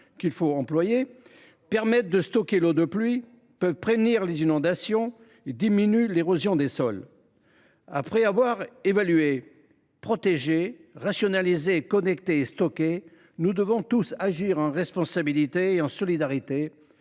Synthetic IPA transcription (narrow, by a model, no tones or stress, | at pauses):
kʲilfoɑ̃plwaje | pɛʁmɛt̪̚d̪əst̪ɔkʲelod̪əplɥi | pœvpχevniʁlezinɔ̃d̪asjɔ̃ | ed̪iminyleʁozjɔ̃d̪esɔl | a̰pχɛavwaʁevalye | pχɔt̪eʒeʁasjɔnalizekɔnɛkt̪eːst̪ɔkʲe | nud̪əvɔ̃t̪usaʒiʁɑ̃ʁɛspɔ̃sabilit̪eːɑ̃sɔlid̪aʁit̪e